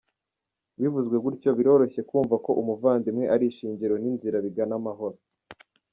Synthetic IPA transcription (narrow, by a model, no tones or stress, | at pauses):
βivuzɡwe̞ɡuɾco̞βiɾo̞ɾo̞çe̞kuːɱvako̞ʔumuvaːndimŋe̞ʔaɾiʃiːɲɟiɾo̞ninziɾaβiɡanamaɦo̞ɾo